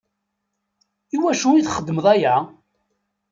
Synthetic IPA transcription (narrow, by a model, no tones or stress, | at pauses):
iwæʃujiθχəd̪ːəməðˤæjæ